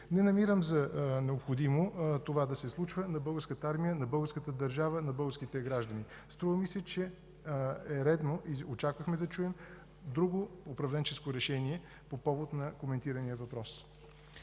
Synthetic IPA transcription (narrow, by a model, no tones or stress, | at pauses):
nɛnɐmiɾəmzɐnɛopxod̪imot̪ovad̪ɐsɛslˠut͡ʃvənɐbɤlˠɡəɾskət̪əaɾmijənɐbɤlˠɡəɾskət̪əd̪ɐɾʒavənɐbɤlˠɡəɾskit̪ɛɡɾaʒd̪ɐni | st̪ɾuvəmisɛt͡ʃɛ | ɛɾɛd̪noʔiot͡ʃakvəxmɛd̪ɐt͡ʃuɛm | d̪ɾuɡoːpɾɐvlɛnt͡ʃɛskoɾɛʃɛniɛ | popɔvot̪nɐkomɛnt̪iɾənijəvɐpɾɔs